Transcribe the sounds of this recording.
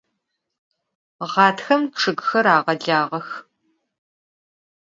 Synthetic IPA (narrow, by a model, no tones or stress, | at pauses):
ʁɑːtxɐmʈ͡ʂʰɨɡxɐɾaːʁɐɮaːʁɐx